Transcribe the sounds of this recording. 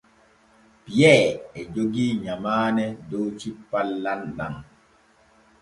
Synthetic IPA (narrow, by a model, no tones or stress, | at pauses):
pijɛɛd͡ʒoɡiːɲamaːnɛdowt͡ʃipːalːanɗa̰ŋ